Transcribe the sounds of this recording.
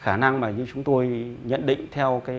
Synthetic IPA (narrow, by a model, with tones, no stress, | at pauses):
xaː˧˩na˧ŋmaː˨˩ɲɨ˧t͡ɕʊ˨˦ŋ͡mt̪o˧jɲə̰˧˨nɗḭ̈˧˨ŋ̟t̪ʰɛ˧wkaː˨˦